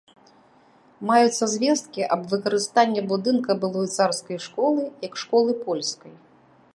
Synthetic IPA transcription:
majut̪sːɐzʲvʲɛst̪̚kʲiʔɐbvɨkɐɾɨst̪anʲːɐbud̪ɨnkɐbɨlˠɔjt̪sarskɐjʂkɔlˠɨjɐkʂkɔlˠɨpɔlʲskɐj

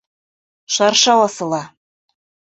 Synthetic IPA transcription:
ʃɑrʃɑwɑsɤ̆lˠɑ

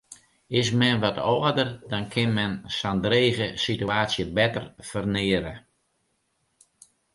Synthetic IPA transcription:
ɪsmɛnʋɔtɔədərdɔnkʰɪnmɛnsandreːɣəsityaːsjəbɛtərfərnɪəɾə

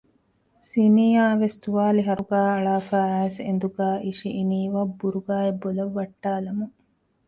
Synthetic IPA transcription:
siniːaːʋest̪uʋaːliɦɐɾuɡæːɐɭaːfæːæːsḛnd̪uɡæːʔiʃiʔiniːʋabːuɾuɡaːebːolɐʋːɐʈːaːlɐmuŋ

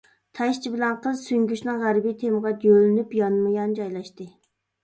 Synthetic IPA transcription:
t̪ʰɛʃt͡ʃʰibɪlɛnqʰəzsyŋɡʲyʃnɨŋʁæɾbijt̪ʰemʁɑt̪jølɪnypjɑnmɨjɑnd͡ʒɑjlˠɑʃt̪ɨ

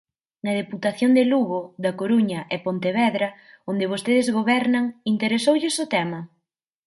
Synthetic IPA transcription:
nɐðeput̪aθjond̪eluɣʊðɐkoɾuɲɐʔɛpont̪eβɛðɾɐ | ond̪ɪβ̞ost̪eðɪzɣoβɛɾnɐŋint̪eɾesowʎɪsʊt̪ɛmɐ

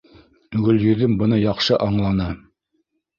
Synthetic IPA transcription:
ʉɡɵ̆ljɵ̆ðɘmbɤ̆nɤjɑqʃɤʔɑɴlˠɑnɤ

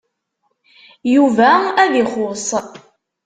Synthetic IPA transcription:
juvææðiχʊsˤ

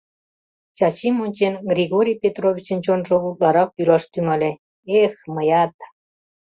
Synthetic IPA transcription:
t͡ɕɑt͡ɕimonʲt͡ɕenɡrʲiɣoɾʲijpʲet̪rovʲit͡ɕə̆nt͡ɕonʒoβut̪̚lɑɾɑk̚ylɑʃt̪yŋɑlʲĕ | exməjɑt̪

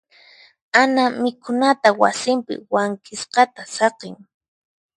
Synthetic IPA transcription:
anamɪkʊnat̪awa̰sɪmpɪ̰waŋkɪsqɑt̪asɑqeŋ

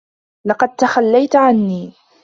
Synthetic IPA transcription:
lɑqɑd̪̚t̪axalːajt̪ʕanːiː

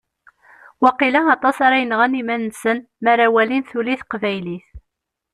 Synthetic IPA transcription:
wɑqilæɑt̪ˤɑsaɾajənʁænimænːsən | mæɾawælinθuliθqvæjliθ

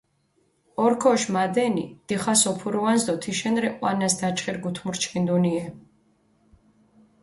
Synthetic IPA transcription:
ɔɾkʰɔʃmad̪ɛnḭd̪̥iχasɔpʰuɾuvanzd̪ɔt̪ʰiʃɛnɾɛqʼwa̰nasd̪at͡ʃʰχiɾɡut̪ʰmuɾt͡ʃʰχind̪uniɛ

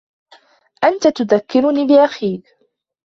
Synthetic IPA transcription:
ʔant̪at̪ʊðakːɪɾʊniːbɪʔaxiːk

